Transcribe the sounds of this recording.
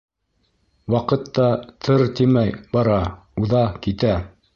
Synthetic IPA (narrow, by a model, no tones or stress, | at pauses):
wɑqɤt̪ːɑt̪ʰɤɾt̪imæjbɑɾɑ | uðɑkit̪æ